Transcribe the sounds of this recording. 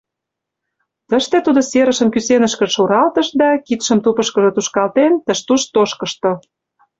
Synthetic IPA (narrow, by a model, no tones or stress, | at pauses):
t̪əʃt̪et̪ud̪oseɾə̆ʃə̆mkysenəʃkə̆ʃoɾɑlt̪əʃd̪ɑkit̪ʃə̆mt̪upə̆ʃkɤ̆ʒɤ̆t̪uʃkɑlt̪ent̪ə̆ʃt̪uʃt̪oʃkə̆ʃt̪ŏ